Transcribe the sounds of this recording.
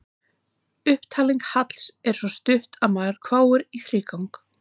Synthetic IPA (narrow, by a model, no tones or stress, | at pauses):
ʏhpt̪ʰaːliŋkhat̪l̥sɛɾ̥svɔst̪ʏft̪aðmaːðɾ̥kʰvaːwʏɾiθɾiːkawŋk